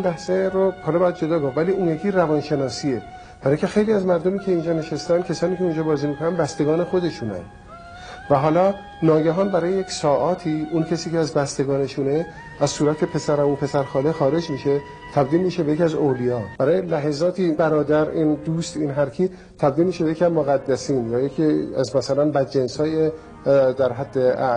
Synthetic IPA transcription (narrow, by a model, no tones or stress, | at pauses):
inbæhseɾohɒːlɒːbɛjæd̪̚d͡ʒo̞d̪ɒːɡomvæliːunjekʰiːɾævɒːnʃe̞nɒːsiːe | b̥æɾicʰe̞xe̞jliːæzmæɾd̪omiːcʰeind͡ʒɒːne̞ʃest̪ænd̪kʲʰesɒːniːcʰeund͡ʒɒːbɒːziːmiːkʰonænbæst̪e̞ɡɒːne̞xo̞d̪e̞ʃunæ̰nd̪̥ | væɦɒːlɒː | nɒːɡæɦɒːnbæɾɒːjejeksɒːʔɒːt̪ʰiːuncʰesiːceæzbæst̪e̞ɡɒːne̞ʃune | æzsuːɾæt̪ʰepʰe̞sæɾæmupʰe̞sæɾxɒːlexɒːɾe̞d͡ʒmiʃe | t̪ʰæb̚d̪iːlmiʃebe̞jecʲiæzolijɒːb̥æɾɒːjelæɦezɒːt̪ʰibæɾɒːd̪æɾiːnd̪uːst̪inɦæɾkʰiː | t̪ʰæb̚d̪iːlmiʃebejeiæzmoɣæd̪ːæsiːnjɒːjekʰiæzmæsælænbæd̪d͡ʒensɒːje | d̪æɾɦæd̪ːeæ